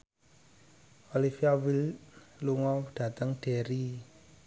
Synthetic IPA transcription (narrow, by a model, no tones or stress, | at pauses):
olifiawilluŋɔwɖ̥a̤t̪əŋɖ̥eɾi